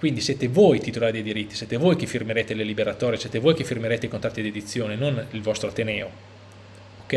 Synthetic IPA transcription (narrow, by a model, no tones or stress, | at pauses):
kwind̪isjeːt̪evoːjt̪it̪olaːɾid̪ejd̪iɾit̪ːi̥sjeːt̪evoːjk̟efːirmeɾeːt̪elelibeɾat̪ɔːɾjesjeːt̪evoːjkefirmeɾeːt̪eikont̪ɾat̪ːid̪ed̪it̪sːjoːnenonilvɔst̪ɾot̪enɛːo | okːɛ